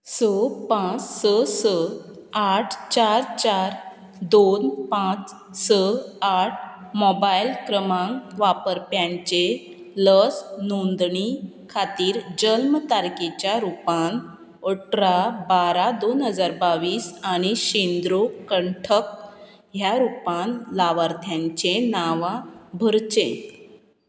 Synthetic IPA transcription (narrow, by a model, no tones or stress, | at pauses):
səpãt͡ssəsə | aʈʰt͡ɕaɾt͡ɕaɾ | d̪onpãt͡s | səaʈ̚ʰmɔbajlkɾəmãŋɡʋapəɾpjãɲt͡ɕe | ləsnond̪ɳi | kʰat̪iːɾd͡ʑəlmt̪aɾket͡ɕjaɾupan | oʈɾabaɾad̪onɦəd͡zaɾbaʋiːsaɽ̃iɕend̪ɾokəɳʈʰək̚ | ɦjaɾupãnlaʋaɾt̪ʰjãɲt͡ɕenaʋãbʱəɾt͡ɕẽ